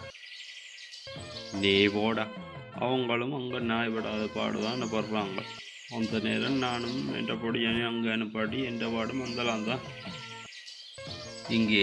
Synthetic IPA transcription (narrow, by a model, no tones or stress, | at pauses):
neːpoːɽaɐ̰ʋɐŋɡɐɭɯmɐŋɡɐnaːjpɐɽaːðɐpa̰ːɽɯ̰t̪ãːnːɐpɐɾɯpɾaːŋɡɐ̰ɭ | ɐnd̪ɐneːɾɐmnaːnɯmɛ̰ndrɐpoɽɪjanɯɐŋɡɐɐnɯpːaːʈːiɛnɖɐpaːɽɯmʋɐnd̪ɐlaːnt̪ãː | ɪŋɡeː